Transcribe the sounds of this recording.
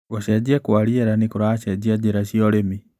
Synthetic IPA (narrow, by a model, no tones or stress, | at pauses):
waɕɛd͡ʑiɛkwaɾiɛɾanekoɾaːʃɛd͡ʑiad͡ʑeɾaɕiɔɾemi